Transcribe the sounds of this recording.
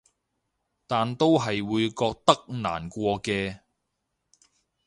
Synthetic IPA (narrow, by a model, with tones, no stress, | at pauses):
t̪aː˨nt̪o˥wɦɐ˨jwuː˨˧jkɔː˧k̚t̪ɐ˥k̚na̰ː˨˩nkʷɔː˧kɛː˧